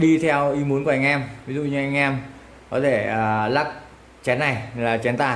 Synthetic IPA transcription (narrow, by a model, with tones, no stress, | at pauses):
ɗi˧t̪ʰɛ˧wʔi˨˦mu˨˦ənku˧˩˨ʔa˧ŋ̟ʔɛ˧mvi˨˦zṵ˧˨ɲɨ˧ʔa˧jŋ̟ʔɛ˧m | kɔ˨˦t̪ʰe˧˩əː˨˩la˦˥k̚ | t͡ɕɛ˨˦nːa˨˩jlaː˨˩t͡ɕɛ˨˦nt̪a̰ː˧˨